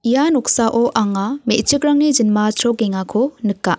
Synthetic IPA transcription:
ijanɔksaʔɔʔaŋamet͡ʃikɾaŋnid͡ʒinmasʰɾɔkeŋakʰonɯkːa

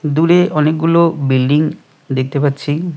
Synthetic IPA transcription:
d̪uɾeʔɔnek̚ɡulobilɖiŋ | d̪ek̚t̪epatːɕʰi

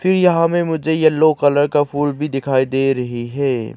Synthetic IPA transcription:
fʰɪɾjɐɦãmẽmʊd͡ʒʱejɐlːokɐləɾkafuːlbʱid̪ɪkʰaːid̪eːɾɐɦiɦɛː

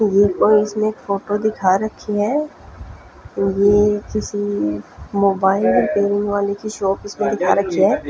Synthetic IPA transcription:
jekoːiɪsmẽeːkfoːʈod̪ɪkʰaɾɐkʰːiɦɛː | jeːkɪsi | moːbaːɪlɔɾpeːɾɪ̃ŋʋaːlekʰiʃɔːpɪsmẽd̪ɪkʰaɾɐkʰiɦɛː

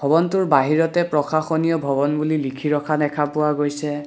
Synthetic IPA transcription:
bʱɔbɔntʊɹbaɦiɹɔtɛpɹɔxaxɔnijɔbʱɔbɔnbulilikʰiɹɔkʰanɛkʰapʊwaɡojsɛ

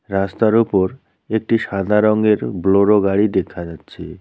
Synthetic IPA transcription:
ɾast̪aɾupoɾ | ek̚ʈiʃad̪ʱaɾɔŋɡeɾbloɾoɡaɽid̪ekʰːad͡ʑatːɕʰe

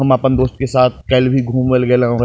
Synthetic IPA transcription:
ɐmaːpənd̪oːst̪̚kesaːt̪̚ʰkɐlbʱiɡʱuːmʋɪlɡəelẽɔɾ

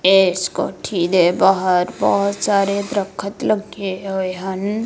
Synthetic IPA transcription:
eːsko̰ːʈʰid̪ebaːɦəɾbɔɦʊt̪saːɾed̪ɾəkʰːət̪ləɡeɦojɦɐn

